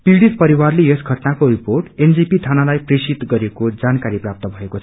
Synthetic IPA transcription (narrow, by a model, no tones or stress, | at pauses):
piɽit̪̚pʌɾiwarleesɡʱʌʈnakoriporʈend͡zipit̪ʰanalajpresit̪ɡʌɾekod͡zankaɾiprap̚t̪ʌbʱʌekot͡sʰʌ